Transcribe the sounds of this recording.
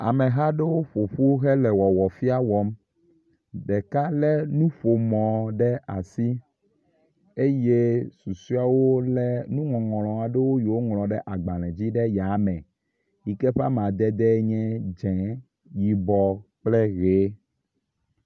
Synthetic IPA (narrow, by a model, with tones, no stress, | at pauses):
a̰˨mɛ̃˨ɦa˦ɖe˦wo˦ɸo˨ɸu˦ɣɛ˦lɛ˨wɔ˨wɔ˨fi˦a˦wɔ˨m | ɖɛ˨ka˦lɛ˦nũ˦ɸo˨mɔ̃˨ɖɛ˦a˨si˦ | e˦je˦su˨su˦a˦wo˦lɛ˦nũ˦ŋɔ̃˨ŋɔ̃˨lɔ̃˨a˨ɖe˦wo˦jo˨wo˦ŋl̃ɔ̃˨ɖɛ˦ʔa˨ɡ͡ba˨lɛ̃˨d͡ʑi˦ɖɛ˦ja˨˦mɛ̃˨ | ji˨kɛ˦ɸa̰˦m˨ã˨d̪ɛ˦d̪ɛ˦ɲɛ̃˦d͡ʒɛ̃˨ | ji˨bɔ˨k͡plɛ˦ɣe˨˦